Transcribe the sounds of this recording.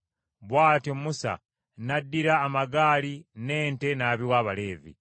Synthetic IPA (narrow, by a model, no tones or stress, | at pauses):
βwaːtiomusa̰ | nadːiɾaːmaɡaːline̞ːnte̞naːβiwaːβale̞ːvḭ